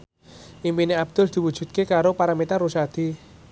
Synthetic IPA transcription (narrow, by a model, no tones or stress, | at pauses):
ʔimpineab̚d̪̥ʊld̪̥i̤wud̥ʒ̥ṳt̪̚kekaɾopaɾamit̪arusad̪̥i̤